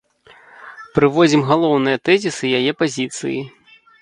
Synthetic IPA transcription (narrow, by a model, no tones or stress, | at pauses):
pɾɨvɔd͡zʲimɣalˠɔwnɨjɐt̪ɛzʲisɨjajɛpazʲit̪sɨ̰jḭ